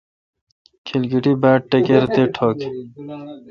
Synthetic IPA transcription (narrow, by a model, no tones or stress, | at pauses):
kʰilɡiʈibaːʈʈːekeɾt̪eʈʰoːk